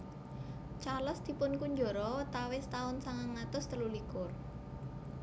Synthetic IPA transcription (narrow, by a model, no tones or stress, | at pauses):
t͡ʃaləsd̪̥i̤pʊnkuɲd͡ʒo̤ɾɔt̪awɪst̪aʊnsaŋaŋat̪ʊst̪əlulikʊr